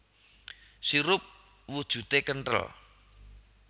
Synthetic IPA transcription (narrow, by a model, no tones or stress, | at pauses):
siɾʊp̚ | wud̥ʒ̥ṳt̪ekənʈə̰l